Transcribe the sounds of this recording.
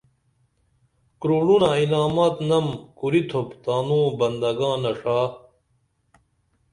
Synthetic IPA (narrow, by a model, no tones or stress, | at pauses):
kɾuːɽunailaːmaːt̪nɐmkuɾit̪ʰopt̪aːmũːbɐnd̪ɐɡãːnɐʂaː